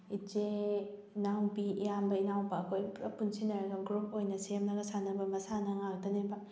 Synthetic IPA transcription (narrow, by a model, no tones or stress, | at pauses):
id͡ʒe | nawbijambɐinawbɐːkʰojɾɐpunsinɐɾɐɡɐɡɾup̚ʰojnɐsemnɐɡɐsanɐbɐmɐsanɐŋak̚dɐnebɐ